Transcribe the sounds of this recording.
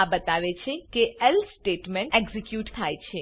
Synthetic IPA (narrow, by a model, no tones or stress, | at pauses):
abət̪aʋet͡ʃʰekeɛlsʈeʈmeɳʈeɡzikjuʈt̪ʰajt͡ʃʰe